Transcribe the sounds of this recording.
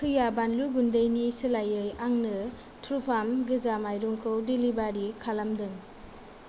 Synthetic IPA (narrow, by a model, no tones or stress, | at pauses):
kʰɯjabanluɡundejnisɯlajɯjaŋnɯ | tʰɾupʰamɡɯzamajɾuŋkʰɯwdilibaɾikʰalamdɯŋ